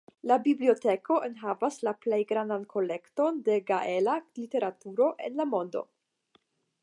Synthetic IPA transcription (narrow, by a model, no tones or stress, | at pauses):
labiblio̞te̞ko̞ʔenɦavaslaplejɡɾandankʰo̞le̞kto̞nde̞ɡaʔelalite̞ɾatuɾo̞ʔe̞̰nlamo̞ndo̞̰